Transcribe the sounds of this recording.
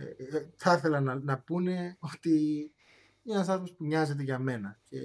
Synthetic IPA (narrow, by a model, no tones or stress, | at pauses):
θɐθe̞lɐnɐnɐpune̞o̞t̪i | ienɐsɐzmospuɲɐze̞t̪̬e̞ʝɐme̞nɐce̞̰